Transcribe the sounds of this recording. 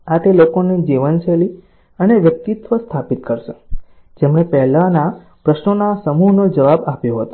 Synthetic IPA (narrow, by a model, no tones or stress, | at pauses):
at̪elokoned͡ʒiʋənt͡ʃeli | əneʋjək̚t̪it̪ʋəst̪ʰapit̪kəɾʃe | d͡ʒemɽ̃epɛɦlana | pɾəʃnonasəmuɦnod͡ʒəʋabapjõɦət̪o̥